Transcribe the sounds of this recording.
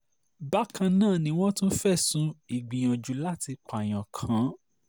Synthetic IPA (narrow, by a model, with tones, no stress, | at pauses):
ba˦kʰã˧nãː˦˨nĩ˦w̃ɔ̃˦tũ˦n̩˦fɛ˦˨sũ˧˦i˨ɡ͡bĩ˨j̃ɔ̃˨d͡ʒu˨˦la˦ti˧k͡pa˨j̃ã˨kʰã˨˦